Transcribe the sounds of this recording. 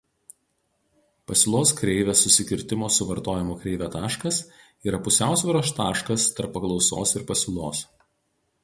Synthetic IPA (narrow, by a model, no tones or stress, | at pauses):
pɐsʲɪlˠoːskɾʲɛɪʋʲesːʊsʲɪkʲɪɾʲt̪ʲɪmoːsʊʋɐɾt̪oːjɪmukɾʲɛɪʋʲæt̪ɑːʃkɐs | iːɾɐpʊsʲæˑʊsʲʋʲɛɾoːst̪ɑːʃkɐst̪ɐɾpːɐklˠɒʊso̰ːsɪɾpɐsʲɪlˠoːs